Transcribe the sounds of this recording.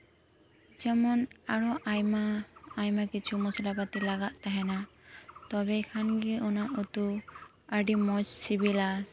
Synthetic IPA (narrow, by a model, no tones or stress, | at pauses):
d͡ʒɛmɔnaɾɔʔajmaːjmakit͡ʃʰumɔsalapat̪ɛlaɡaʔ̪t̪aɦɛnat̪ɔbɛkʰanɡiɔnaʔut̪u | aɖimɔd͡ʒsibila